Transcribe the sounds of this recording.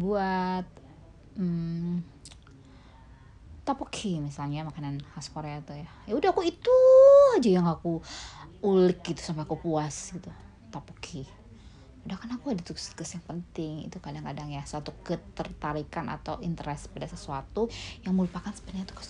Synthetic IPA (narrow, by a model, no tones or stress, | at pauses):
buat̪̚ | t̪apukʰimisalɲamakananhaskoɾeat̪ujajaudahkuit̪uad͡ʒajaŋaku | ulɪk̚ɡit̪u̥sampɛakupuasɡit̪u | t̪apukʰi | udahkarnakuhadat̪ukskəsjaŋpənt̪ɪŋḭt̪ukadaŋkadaŋjasuat̪ukət̪ərt̪aɾikanʔa̰t̪awint̪əɾɛspadasəsuat̪ujaŋməɾupakansə̥bət̪ɲat̪u̥kḁs